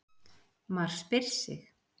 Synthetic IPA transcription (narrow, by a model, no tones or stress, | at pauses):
maɾ̥spɪɾ̥sɪ̰x